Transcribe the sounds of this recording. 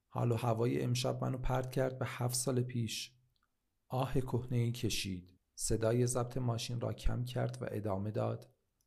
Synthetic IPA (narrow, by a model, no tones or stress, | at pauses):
hɒ̰ːlɒːhævɒːjḛʔemʃæb̚mæ̰nopʰæɾd̪̥cʰæɾd̪̚behæft̪sɒːlepʰiːʃ | ʔɒːhe̞kʰohne̞iːcʰe̞ʃiːd̪̥ | se̞d̪ɒːje̞zæb̚t̪ʰe̞mɒːʃinrɒ̰ːcʰæ̰mcʰæ̰ɾd̪væ̰ʔe̞d̪ɒːme̞d̪ɒːd̪̥